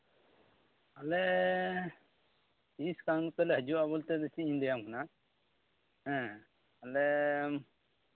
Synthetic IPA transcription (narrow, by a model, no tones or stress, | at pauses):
alɛ | iskaŋpɛlɛɦəd͡ʒuabɔlt̪ɛd̪ɛt͡ʃiiɲd̪ɛjamkʰana | ɦɛ̃ | alɛ